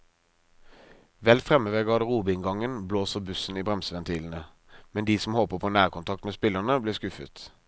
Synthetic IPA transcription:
ʋɛlfʁɛməʋeːɡɑːd̪əʁuːbɪŋɡɑŋənbloːsəʁbʉsn̩iːbʁɛmsəʋɛnt̪ʰiːln̩ə | mɛnd̪iːsɔm̩hoːpəpʰoːnæːʁkʊnt̪ʰɑkt̪meːspɪləʁnəbleːskʉfə̰t̪

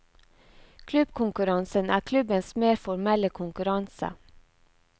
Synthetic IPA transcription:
kʰlʉb̥kʰʊŋkʉɾɑnsənæːkʰlʉbənsmeːɾfɔɾmɛləkʰʊŋkʉɾɑnsə̰

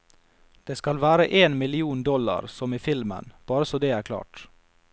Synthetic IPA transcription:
d̪̥eːskɑlʋæːɾəʔeːnmɪlɪuːnd̪ɔlɑ̰ɾsɔmiːfɪlmə̰nb̥ɑːɾəsɔːd̪eːæːkʰlɑ̰ːʈ

